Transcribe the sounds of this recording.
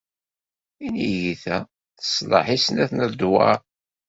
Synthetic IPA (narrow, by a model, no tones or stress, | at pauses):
inijiθæ | θə̥sˤlɑ̰ħisnæθnəðd̪wɑ̰ɾ